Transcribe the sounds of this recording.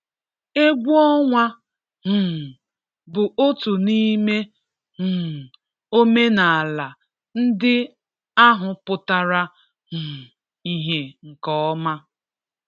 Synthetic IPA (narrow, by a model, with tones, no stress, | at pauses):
e˦ɡʷɔ˦ŋʷa˦ | ɦ̩˨ | bʊ˨ʔo˦tu˨ni˦me˦ | h̩˨ | o˦me˦na˨a˨la˨ | n̩˦dɪ˦ | a˦ɦʊ˨pʊ˨ta˦ɾa˦ | ɦ̩˨ | i˦ɦe˨ŋ̩˨kɔ˦ɔ˦ma˦